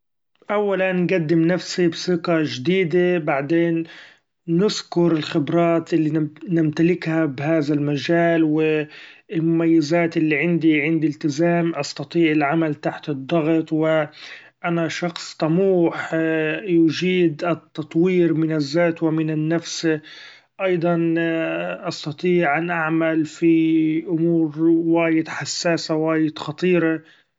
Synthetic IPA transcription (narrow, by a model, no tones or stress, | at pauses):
ʔawːalanːɡad̪ːɪmnafsibsɪqɑʒd̪iːd̪ebaʕd̪eːnː | ɪskʊɾɪlxɪbɾˤɑːt̪ʔɪlːinɪmt̪alɪkhabhaːðalmaʒaːlwɪɪlmʊmajːɪzaːt̪ʔɪlːiʕɪnd̪iʕɪnd̪ilt̪ɪzaːmʔɑst̪ɑt̪ˤiːʕɪlʕamalt̪aħt̪ɨd̪ˤːɑɣt̪ˤwɪ | ʔanaʃɑxsˤt̪ˤɑmuːħjʊd͡ʒiːd̪ʔɪt̪ːɑt̪ˤwiːɾmɪnɪzːaːt̪wɪmɪnɪnːafs | ʔɑjd̪ˤɑn | ʔɑst̪ɑt̪ˤiːʕʔanʔaʕmalfiʔʊmuːɾwaːjɪd̪ħasːaːsawaːjɪd̪xɑt̪ˤiːɾɑ